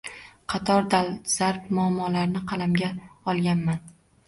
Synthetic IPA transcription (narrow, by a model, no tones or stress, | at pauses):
qʰɑt̪ʰɒɾd̪alˠz̥aɾp̚mʊamːɒlaɾnɪqʰɑlamɡʲaɒlˠɡʲanman